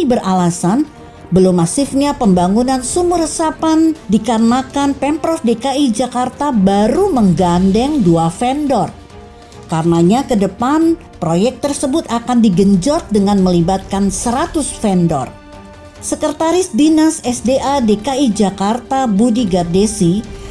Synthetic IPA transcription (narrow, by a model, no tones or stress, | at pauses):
ibərʔalasan | bəlumːasɪfɲapəmbaŋunansumʊrəsapandikarənakanpɛmpɾɔfdekaid͡ʒakart̪abaɾuməŋɡandɛŋduafɛndɔr | karənaɲakədəpan | pɾojɛk̚t̪ərsəbʊt̪akandiɡəɲd͡ʒɔt̪̚dəŋanməlibat̪̚kansəɾat̪ʊsfɛndɔ̰r | səkərt̪aɾɪsdinasɛsdeʔadekaid͡ʒakart̪abudiɡardesi